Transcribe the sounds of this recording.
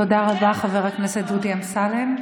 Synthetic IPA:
od̪aʁabaχaveʁaknesetdudiamsalem

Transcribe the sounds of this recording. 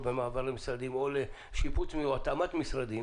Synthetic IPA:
bemaːvaʁlemisʁad̪imo̞le | ʃiput͡smiuat̪amat̪misɾad̪i

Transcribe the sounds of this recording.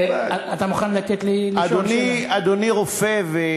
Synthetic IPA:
aat̪amuχanlat̪et̪liladoniad̪oniʁofeve

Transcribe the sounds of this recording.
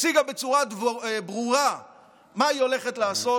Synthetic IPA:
t͡siɡabe̞t͡suʁadvbʁuʁa | maio̞le̞χet̪laːso

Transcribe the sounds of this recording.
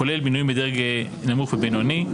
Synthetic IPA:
olelbinujĩmbed̪eʁɡe | namuχvebenoni

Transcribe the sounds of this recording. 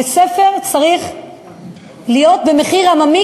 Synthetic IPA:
esefe̞ʁt͡saʁiχ | lijo̞t̪̚be̞me̞χiʁhamami

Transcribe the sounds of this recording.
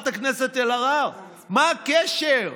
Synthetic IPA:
t̪akneset̪elaʁav | maːkeʃeʁ

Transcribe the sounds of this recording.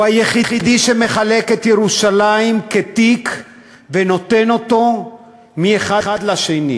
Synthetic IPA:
ajeχiχid̪iʃe̞me̞χale̞ke̞t̪jeʁuʃalaimket̪ik | veno̞t̪e̞no̞t̪o̞ | mieχaχad̪laʃenḭ

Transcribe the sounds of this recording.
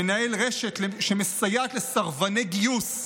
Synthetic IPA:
enaelʁeʃet̪leʃemesajat̪lesaʁvaneɡijus

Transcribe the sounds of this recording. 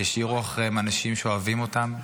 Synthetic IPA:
jeʃiʁuaχʁemanaʃimʃeoavimo̞tam

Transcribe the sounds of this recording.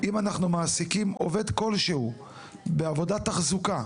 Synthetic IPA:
imanaχnumaːsikimo̞ve̞d̪ko̞lʃehu | beavo̞dat̪aχzuka

